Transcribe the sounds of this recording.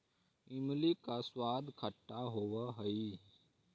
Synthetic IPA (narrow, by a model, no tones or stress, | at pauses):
imlikaswaːd̪ʱkʰəʈːaɦoʋəɦəi